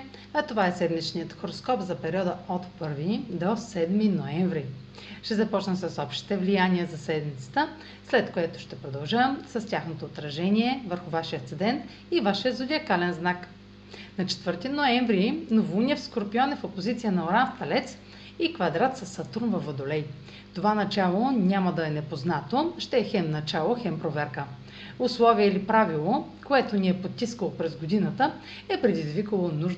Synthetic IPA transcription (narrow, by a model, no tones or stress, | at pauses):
ɐt̪ovaɛsɛd̪mit͡ʃnijət̪xoɾoskɔpzɐpɛɾʲiɔd̪əot̪pɤɾvid̪osɛd̪minoɛɱvɾi | ʃt̪ɛzɐpɔt͡ʃnəsəsɔpʃt̪i̥t̪ɛvlijanʲiəzɐsɛd̪mit̪sə̥t̪ə | slɛt̪koɛt̪ʊ̥ʃt̪ɛpɾod̪ɐlˠʒamsɐstʲaxnot̪oːt̪ɾɐʒɛnʲiɛvəɾxʊvaʃijəkt̪sɛd̪ɛnt̪ | ivaʃijəzʊd̪ʲiɐkalɛnznak | nɐt͡ʃɛ̥t̪vɤɾt̪inoɛɱvɾinovunʲɛfskoɾpiɔnɛfopozit̪sijənɐoɾanft̪ɐlɛt̪s | ikvɐd̪ɾat̪sɐsːɐt̪uɾnvɐvəd̪olɛj | ft̪ovanɐt͡ʃalˠonʲaməd̪ɐɛnɛpoznat̪oʃt̪ɛːxɛmnɐt͡ʃalˠoxɛmpɾovɛɾkə | ʊslˠɔviəilipɾavilˠo | koɛt̪oniɛpot̪t̪ːiskəlˠopɾɛzɡod̪inət̪ə | ɛpɾɛd̪izvikəlˠonuʒ